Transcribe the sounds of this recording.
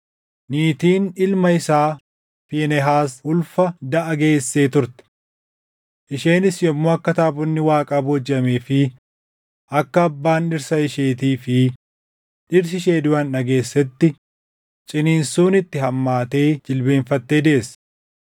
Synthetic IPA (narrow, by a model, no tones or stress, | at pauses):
niːt̪iːnɪlmɐɪsaː | fiːnɛɦaːsʊlfɐd̪ɐʔɐɡe̞ːsːe̞ːt̪ʊɾt̪ɛ̥ | ʔɪʃe̞ːnɪsjɔmːoːɐkːɐt̪aːbɔnːɪwaːkʼaːbod͡ʒɪɐmeːfɪ | ʔɐkːɐːbːaːnᶑɪɾsɐɪʃeːt̪iːfɪ | ᶑɪɾs̬ɪʃe̞ːd̪ʊʔɐnɐɡe̞ːsːɛt̪ːɪ | t͡ʃʼɪniːnsuːnɪt̪ːɪɦɐmːaːt̪e̞ːd͡ʒɪlbe̞ːɱfɐt̪ːe̞ːd̪eʔes